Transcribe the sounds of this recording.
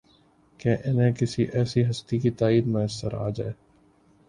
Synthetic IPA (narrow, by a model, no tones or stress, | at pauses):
kẽʔɪnẽːkɪsiʔɛːsiɦɐst̪ikit̪aːiːd̪məəsːəɾa̰ːd͡ʒa̰ːeː